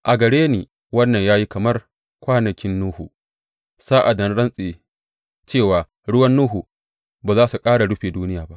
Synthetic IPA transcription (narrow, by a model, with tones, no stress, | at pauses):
ʔa˨ɡɐ˨ɽeː˦niː˨ | wɐ˦nːɐ˨ɲjaː˦ji˦kɐ˨mɐ˦r | kʷaː˦nɐ˨kʲɪ˦nːuː˦hu˨ | saː˦ʔa˨dɐ˦nɽɐ˦nsʼeː˨ | t͡ʃeː˦˨waː˨ | ɽʊ˦wɐ˦nːuː˦ɦu˨ | baː˨zaː˦su˨kʼaː˦ɽa˨ɽʊ˦ɸeː˨duː˦nɪ˦jaː˨ba˦ʔ